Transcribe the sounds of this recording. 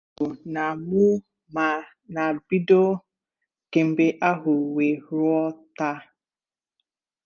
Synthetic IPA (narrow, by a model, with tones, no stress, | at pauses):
ʊ˨na˨mʊ˦ | ma˨ | na˨bi˦do˦ | ke˨m̩˨be˦ʔa˦ɦʊ˨we˨ɾʊ˦ɔ˦ta˦